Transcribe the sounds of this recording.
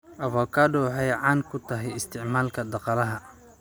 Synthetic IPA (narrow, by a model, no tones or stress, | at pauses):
ʔɐvɔːkʰaːdɔħɛjʕaːnkʰʊt̪ʰɐɦɛjɪst̪ʰɪʕmaːlkʰɐd̪ɑqɑlɐɦɐ